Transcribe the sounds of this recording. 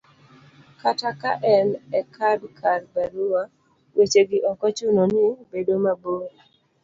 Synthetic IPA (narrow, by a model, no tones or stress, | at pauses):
kataka̰ʔɛnɛkʰadkʰaɾbaɾuwa | wʔet͡ʃeɡɪʔɔkɔt͡ʃʊnɔnɪbedomaboɾ